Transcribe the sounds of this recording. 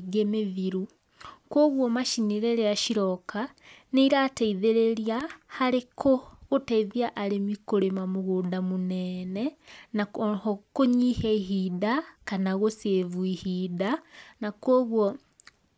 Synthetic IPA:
ɡemeðiɾu | kwoɣwɔmaʃiniɾeɾeaʃiɾɔkaneiɾatɛiðeɾeɾiahaɾekʰoɣotɛiðiaʔaɾemikoɾemamoɣoːdamonɛnɛnakoɲihɛiɦidakanaɣosevuihidanakwoɣwɔ

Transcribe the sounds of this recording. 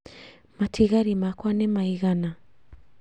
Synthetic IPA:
matʰiɣaɾimakwanɛmaiɣana

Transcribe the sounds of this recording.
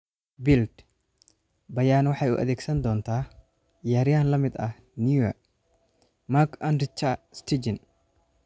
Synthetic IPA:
bɪld̪ | bɐjaːnwɐħajʊ̰ʔɐ̰ðeːɡsɐnd̪oːnt̪aː | jaːɾɪɐnlɐmɪd̪ɐ | niɐ | makɐnɾɪt͡ʃːast̪id͡ʒɪn

